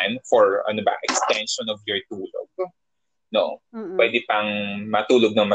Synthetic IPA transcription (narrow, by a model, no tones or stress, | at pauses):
nfɔɹɐ̰nobɐ̰ʔɛkst̪ɛnʃɔnɔvjɔɹt̪uːlo̰ɡ̚ | noʔopwɛd̪ɛpɐŋmɐt̪uːloɡ̚nɐŋmɐ